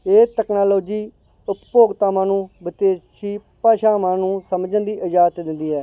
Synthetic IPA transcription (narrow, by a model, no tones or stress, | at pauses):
eːt̪ɛːknaːloːd͡ʒiː | ʊppoːɡt̪aːmãːnũːbɪt̪eːʃiːpaːʃaːmãːnũːsəmd͡ʒənd̪iːʔɪd͡ʒaːt̪d̪ɪnd̪iːɦɛː